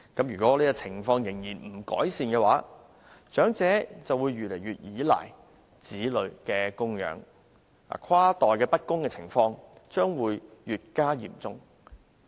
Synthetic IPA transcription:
kɐ˨˥mjyː˨˩kʷɔː˨˥liː˥kɐ˧t͡sʰɪ˨˩ŋfɔː˧ŋjɪ˨˩ŋjiː˨˩nm̩˨˩kɔ̰ː˨˥jsiː˧nkɛː˧waː˨˥ | t͡ʃœː˨˥ŋt͡sɛː˨˥t͡sɐ˨wuː˨˧jɥyː˨˩le˨˩jɥyː˨t̚jiː˨˥la̰ː˨˩j | t͡siː˨˥lɵ˨˧ɥkɛː˧kʊ˥ŋjœ̰ː˨˥ŋ | a̰ː˨˩kʰwaː˥t̪ɔː˨˩jkɛː˧pɐ˥t̚kʊ˥ŋkɛ˧t͡sʰɪ˨˩ŋfɔː˧ŋt͡ʃœː˥ŋwuː˨˧jjyː˨t̚kaː˥jḭː˨˩mt͡sʊ˥ŋ

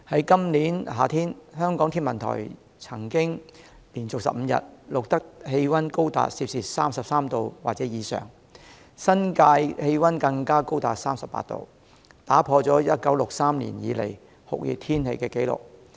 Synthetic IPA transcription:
hɐ˨˥jkɐ˥mniː˨˥nɦaː˨t̪ʰiː˥nhœː˥ŋkɔː˨˥ŋt̪ʰiː˥nmɐ˨nt̪ʰɔ̰ː˨˩j | t͡sʰɐ˨˩ŋkɪ˥ŋ | liː˨˩nt͡sʊ˨k̚sɐ̰˨p̚m̩˧jɐ̰˨t̚lʊ˨k̚t̪ɐ˥k̚he˧jwɐ˥nko˥wt̪a̰ː˨t̚siː˧p̚siː˨˩t̚saː˥msɐ˨p̚saː˥mt̪o˧wwaː˨k̚t͡sɛː˨˦˥jiː˨˧sœ̰ː˨ŋ | sɐ˥nkaː˧jhe˧jwɐ˥nkɐ˧ŋkaː˥ko˥wt̪aː˨t̚saː˥msɐ˨pːa̰ː˧t̪o̰˧w | t̪aː˨˥pʰɔː˧t͡sɔː˨˥jɐ˥t̚kɐ˨˥wlʊ˨k̚saː˥mlḭ˨˩njiː˨˧lḛ˨˩j | hʊ̰˨k̚jḭ˨˧t̪ʰiː˥nhe˧jkɛː˧ke˨˥jlʊ̰˨˩k̚

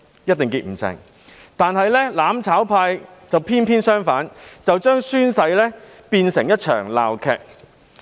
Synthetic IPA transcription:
jɐ˥t̚t̪ɪ˨ŋkiː˧t̚m̩˨˩sɪ̰˨˩ŋ | t̪aː˨nɦɐ˨jlɛː˥laː˨˥mt͡sʰaː˨˥wpʰaː˧jt͡sɐ˨˩wpʰiː˥npʰiː˥nsœː˥ŋfaː˨˥nt͡sɐ˨wt͡ʃœː˥ŋsyː˥nsɐ˧jlɛː˥ | piː˧nsɪ˨˩ŋjɐ˥t̚t͡ʃʰœ̰ː˨˩ŋla̰ː˨wkʰɛː˧k̚

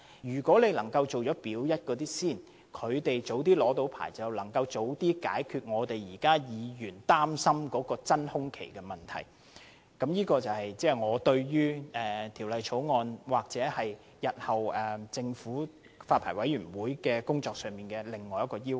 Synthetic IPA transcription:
jyː˨˩kʷɔː˨˥le˨˧jlɐ˨˩ŋkɐ˧wt͡so˨wt͡ʃɔː˨˥piː˨˥wjɐ˥t̚kɔː˨˧t̪̬iː˥siː˥˩n | kʰɵ˨˧ɥt̪e˨jt͡so˨˥wt̪̬iː˥lɔː˨˥t̪o˨˥wpʰa̰ː˨˩jt͡sɐ˨wlɐ˨˩ŋkɐ˧wt͡so˨˧˥wt̪iː˥ka̰ː˨˥jkʰyː˧t̚ŋɔː˨˧t̪e˨jjiː˨˩kaː˥jiː˨˧jyː˨˩nt̪aː˥msɐ˥mkɔː˨˥kɔː˧t͡sɐ˥nhʊ˥ŋkʰe˨˩jkɛː˧mɐ˨nt̪ʰɐ̰˨˩j | kɐ˨˥mjiː˥kɔː˧t͡sɐ˨whɐ˨jt͡sɛː˥ŋɔː˨˧t̪ɵ˧ɥjyː˥ɛː˨˩t̪ʰiː˨˩wlɐ˨jt͡ʃʰo˨˥wŋɔː˧nwaː˨k̚t͡sɛː˨˥hɐ˨j | jɐ˨t̚hɐ˨˩wɛː˨˩t͡sɪ˧ŋfuː˨˥ | faː˧t̚pʰaː˨˩wɐ˨˥jyː˨˩nwuː˨˥jkɛː˧kʊ˥ŋt͡sɔː˧k̚sœː˨˩ŋmiː˨nkɛː˧lɪ˨ŋːɔː˨jɐ˥kːɔː˧jiː˥w

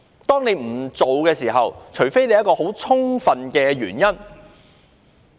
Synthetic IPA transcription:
t̪ɔː˥ŋne˨˧jm̩˨˩t͡so˨wkɛː˧siː˨˩ɦɐ˨wt͡ʃʰɵ˨˩jfe˥jne˨jɐ˥t̚kɔː˧ho˨˥wt͡ʃʰʊ˥ŋfɐ˨nkɛː˧ɥyː˨˩njɐ˥n

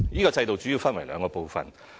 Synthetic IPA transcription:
jiː˥kɔː˧t͡sɐ˧jt̪o˨wt͡ʃyː˨˥jiː˧wfɐ˥nwɐ˨˩jlœː˨˧ŋkɔː˧po˨˧wfɐ̰˨˩n

